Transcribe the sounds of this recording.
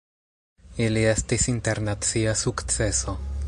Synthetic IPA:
ilie̞stisinte̞ɾnat͡siasukt͡se̞so̞

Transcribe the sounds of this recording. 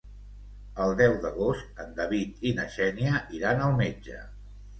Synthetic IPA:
əlˠd̪ɛwðəɣost̪ənd̪əβit̪inəʃɛniəiɾanəlˠmed͡ʒə̰

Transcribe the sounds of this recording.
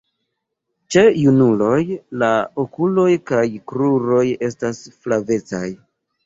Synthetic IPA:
t͡ʃejunulo̞jlaokulo̞jkajkɾuɾo̞je̞stasflave̞t͡sa̰j

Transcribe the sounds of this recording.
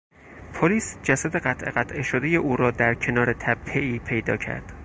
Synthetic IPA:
pʰoliːsd͡ʒæsæd̪e̞ɢæt̪ʰʔe̞̰ɣæt̪ʰʔeʃod̪eje̞ʔuːɾɒːd̪æɾcʰe̞nɒːɾe̞t̪ʰæb̚ʰeiːpʰe̞jd̪ɒ̰ːcʰæ̰ɾd̪̥

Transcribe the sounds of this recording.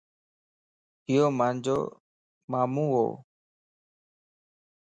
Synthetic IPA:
ɦɪjoːmãːnd͡ʑo̰ː | maːmuːɦo̰ː

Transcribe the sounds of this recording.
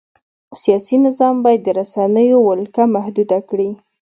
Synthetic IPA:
sijɑsinɪzɑmbɑjad̪ːəɾasanəjowʊlkamahd̪ud̪akɽi

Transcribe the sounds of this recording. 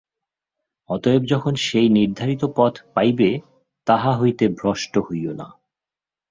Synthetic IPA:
ɔt̪oebd͡ʑɔkʰonʃejniɾd̪ʱaɾit̪opɔt̪ʰpajbe | t̪aɦaɦojt̪ebʱɾɔʃʈohojona̰

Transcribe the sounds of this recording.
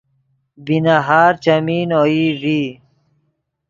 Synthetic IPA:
binaɦaːɾt͡ɕɐmiːnoːiviː

